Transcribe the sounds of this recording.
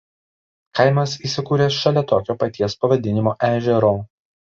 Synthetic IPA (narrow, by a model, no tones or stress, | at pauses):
kɐɪmɐs̬iːˑsʲɪkuːɾʲeːʃɐlʲɛt̪oːkʲoːpɐt̪ʲiɛspɐʋɐd̪ʲɪnʲɪmoːʔæːʒʲɛɾoː